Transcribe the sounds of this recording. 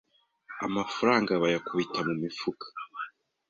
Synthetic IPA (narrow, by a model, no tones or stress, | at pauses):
a̰mafuɾaːŋɡaβajakuβitamumifukʰḁ